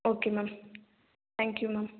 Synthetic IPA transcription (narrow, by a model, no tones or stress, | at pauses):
okemam | θæ̃ŋkjumam